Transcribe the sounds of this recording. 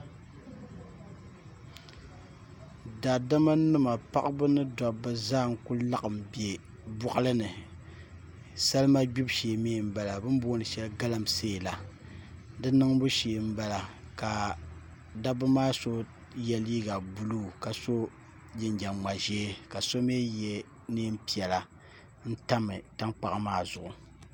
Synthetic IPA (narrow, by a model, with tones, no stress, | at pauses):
da˨da˦ma˦nɨ˦ma˨pa̰˦ʔbɨ˦nɨ˦dɔ˨bɨ˦zaː˦˨ŋ˦ku˦lla˦ʔɨ˨m˨bje˨ | bʊ˦ʔa˦lɨ˦nɨ˨ | sa˦lma˦ɡ͡bu˦bʃe˨meː˦˨m̩˨ba˨la˨bɨ˦m˦boː˦nɨ˨ʃɛ˦lɡa˦la˦m˨seː˦˨la˨ | dɨ˦nɨ˦ŋbu˦ʃeː˨m̩˦ba˨la˨ | ka˨ | da˦bɨ˦maː˦so˦ | jɛ˨liː˦ɡa˨bu˨lu˦˨ka˨so˦ | jɪ˨nd͡ʒa˨ŋ͡ma˨ʒɛː˦ka˨so˦meː˦jɛ˦ | ni˦m̩˦pi˨ɛ˨la˨ | n̩˦ta˦mɨ˨ta˦ŋk͡pa˨ʔa˦maː˦˨zʊ˨ʔʊ˨